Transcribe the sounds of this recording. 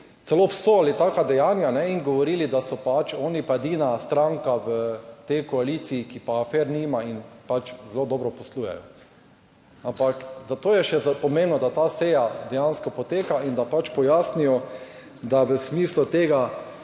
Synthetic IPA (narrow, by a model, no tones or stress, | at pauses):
t̪sɛlopsoalit̪aːkad̪ɛjaːnjanɛinɡɔʋɔɾiːlid̪asɔpat͡ʃɔːnipaed̪iːnast̪ɾãŋkaʋət̪ɛjkɔalit̪siːkipaːfɛɾnimainpat͡ʃzɛlod̪ɔːbɾɔpɔsluːjɛ̰jɔ | ãmpakzat̪oːjɛʃɛzpɔmẽmbnɔd̪at̪aːsɛjad̪ɛjanskɔpot̪eːkaind̪apat͡ʃpɔjasnijɔ | d̪aʋəsmiːslut̪eːɡa